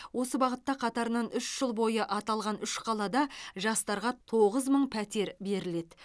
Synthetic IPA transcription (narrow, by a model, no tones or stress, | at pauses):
wʔo̞səbɑʁət̪ːɑqʰɑt̪ɑɾənɑnʏʃʒ̥əlˠbo̞jəʔɑt̪ɑlˠʁɑnʏʃqʰɑlˠɑd̪ɑʒɑst̪ɑɾʁɑt̪ʰoʁəzməɴpʰæt̪e̞ɾbe̞ɾɪle̞d̪